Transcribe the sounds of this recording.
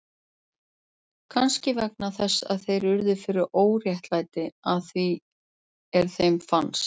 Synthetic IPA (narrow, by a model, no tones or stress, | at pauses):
kʰanscɪvɛk̚naθɛsːa̰ðθejɾʏɾðʏfɪɾʏɾʔoːwrjɛht̪laːjt̪ɪaðθvi | ɛɾ̥θejmfans